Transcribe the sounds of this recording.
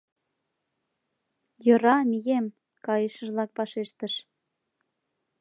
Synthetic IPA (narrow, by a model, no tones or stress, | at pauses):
jɤ̆ɾɑmijem | kɑjeʃə̆ʒlɑk̚pɑʃeʃt̪ə̆ʃ